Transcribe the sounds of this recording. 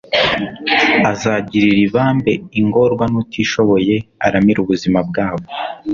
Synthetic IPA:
azaːɟiɾiɾiβaːmbe̞iŋɡo̞ːɾɡwanutʰiʃo̞βo̞je̞a̰ɾamiɾuβuzimab̚ɡaːβo̞

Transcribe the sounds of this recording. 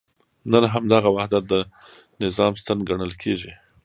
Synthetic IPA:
nənɦamd̪ɑɣawahd̪at̪̚d̪ə | nɪzɑmst̪anɡaɳəlkʰeʒi

